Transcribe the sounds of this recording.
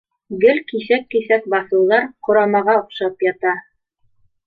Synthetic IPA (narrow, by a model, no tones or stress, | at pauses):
ɡɘlkisækːisæk̚bɑθɤ̆wðɑɾqŏɾɑmɑʁɑŏqʃɑpjɑt̪ɑ